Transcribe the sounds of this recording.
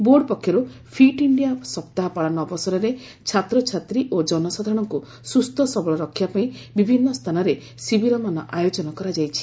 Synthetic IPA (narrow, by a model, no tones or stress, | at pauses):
boɾɖpɔkʰjɔɾu | pʰiʈiɳɖijasɔpt̪aɦɔpaɭanɔːbɔsɔɾɔɾe | t͡ʃʰat̪ɾɔt͡ʃʰat̪ɾiʔod͡ʒɔnɔsad̪ʱaɾɔɽ̃ɔŋku | sust̪ʰɔsɔbɔɭɔɾɔkʰːjapaĩbibʱinːɔst̪ʰanɔɾe | sibiɾɔmanɔʔajod͡ʒɔnɔkɔɾad͡ʒajt͡ʃʰi̥